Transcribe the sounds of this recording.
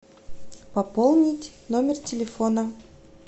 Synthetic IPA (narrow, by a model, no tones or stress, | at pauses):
pɐpolˠnʲɪtʲnomʲɪrtʲɪlʲɪfonə